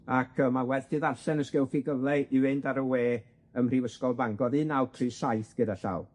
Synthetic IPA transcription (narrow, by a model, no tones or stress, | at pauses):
akʰəːmawɛðtɨðaɬɛnəskɛlˠfiɡəvlˠɛɪwɪndaɾəweː | əmrivəskɔlˠblaŋɡɔðɨnawtʰriːsajθɡ̥ədaɬa̰w